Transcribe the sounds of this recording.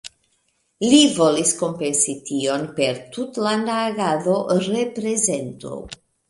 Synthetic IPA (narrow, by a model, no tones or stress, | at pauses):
livo̞lisko̞mpe̞nsitio̞npe̞ɾtutlandaːɡaðo̞ɾe̞pɾe̞ze̞nto̞̰